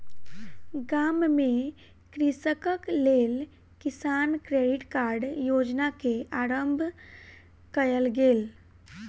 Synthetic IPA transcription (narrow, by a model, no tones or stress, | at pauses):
ɡamme | kɾisəkəklel | kisankɾeɖiʈkaɾɖjod͡ʒnakeaɾəmbʱ | kəjəlɡel